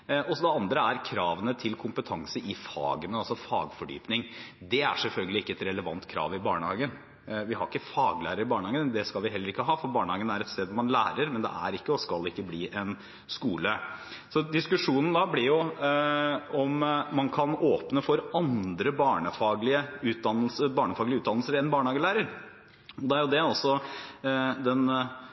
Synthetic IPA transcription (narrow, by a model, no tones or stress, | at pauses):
ɔsd̪ɛɑnd̪ɾəæɾkʰɾɑːʋənət̪ʰɪlkʰʊmpət̪ʰɑŋsəʔɪfɑ̰ːɡənəɑlsɔfɑ̰ːɡfɔɖy̰ːpnɪŋd̪ɛæ̰ʂɛlfœlɡəlɪɪkːəɛt̪ɾɛləʋɑ̰nt̪kʰɾɑ̰ːʋɪbɑːɳəhɑ̰ːɡən | ʋɪhɑɾɪkːəfɑːɡlæ̰ːɾəɾɪbɑːɳəhɑːɡənd̪ɛskɑlʋɪɦɛlːəɾɪkːəɦɑːfɔɾbɑːɳəhɑːɡənæɾɛt̪st̪eːd̪ʋɔmɑnlæːɾəɾmɛnd̪ɛ̰ʔæ̰ɾɪkːəɔskɑlːɪkːəbliːʔɛn | skuːləsɔd̪ɪskʉʂuːnən̩d̪ɑblɪɾjʊ | ɔmmɑnkʰɑnoːpnəfɔɾɑnd̪ɾəbɑːɳəfɑːɡlɪəʉːt̪̚d̪ɑnːəlsəbɑːɳəfɑːɡlɪəʉːt̪d̪ɑnəlsəɾɛnbɑːɳəhɑːɡəlæːɾəɾ | ɔd̪ɛæɾjʊd̪ɛɔsɔ | d̪ɛn